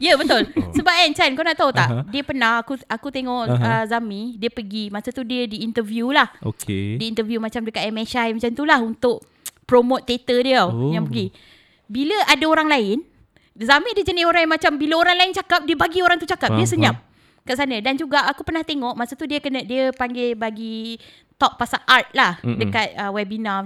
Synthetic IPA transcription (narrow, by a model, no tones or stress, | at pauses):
jəbət̪ʊlsəbap̚ant͡ʃankawnaʔt̪aut̪aʔdiəpərnahakuakut̪eŋɔʔəzamĩdiəpəɡimasət̪udiədiːnt̪əvjulaho̰kḛdiint̪əvjumat͡ʃamdəkat̪ɛmeʃajmat͡ʃamt̪ulahunt̪ʊʔ̚ | pɾomot̪ːet̪ədiəjaŋpəɡi | biləadaoɾaŋlaɪn | zamĩdiəd͡ʒənɪɦoɾaŋjamat͡ʃambiləoɾaŋlaɪnt͡ʃakap̚diəbaɡioɾaŋt̪ut͡ʃakap̚diəsəɲam̚ | kaʔsanə̃dand͡ʒuɡaʔakupərnaht̪eŋɔʔmasət̪udiəkənədiəpaŋɡebaɡi | t̪ɔʔ̚pasaʔart̪̚lahdəkat̪̚əwɛbina